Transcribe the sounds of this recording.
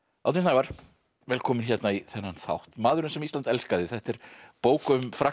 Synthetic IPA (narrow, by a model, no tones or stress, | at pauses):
a̰wt̪ensnajvaɾ̥ | vɛːlkʰɔːmɪnçjɛt̪naiθɛnːanθa̰wht̪maːðʏɾʏnsɛmist̪ant̪ɛlskaðɪθɛht̪ɛɾ̥poːwkʏʏmfɾa